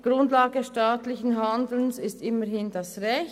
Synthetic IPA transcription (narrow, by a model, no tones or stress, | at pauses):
ɡ̥ʁʊntlaːɡəʃtaːtlɪçn̩ɦandl̩nsɪstɪməhɪndasʁɛç